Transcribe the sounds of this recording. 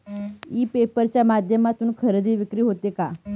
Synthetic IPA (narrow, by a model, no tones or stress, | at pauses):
iːpepəɾt͡ɕjamad̪ʱjəmat̪uːnkʰəɾəd̪iːʋikɾiːɦot̪eka